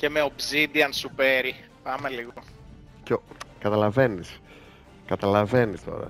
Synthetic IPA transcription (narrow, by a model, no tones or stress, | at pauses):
ce̞me̞o̞bzid̪iɐnsupeɾi | pɐmeliɣo | cekɐt̪ɐlɐve̞nis | kɐt̪ɐlɐve̞nist̪o̞̰ɾɐ̰